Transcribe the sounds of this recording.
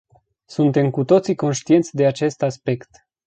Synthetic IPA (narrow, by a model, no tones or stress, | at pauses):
sunt̪e̞mkut̪o̞t̪siko̞nʃt̪ie̞nt̪sʲd̪e̞at͡ʃe̞st̪aspe̞kt̪